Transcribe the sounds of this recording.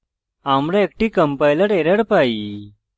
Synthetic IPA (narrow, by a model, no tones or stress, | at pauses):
amɽãek̚ʈiːkəmpajləɾeɾəɽpai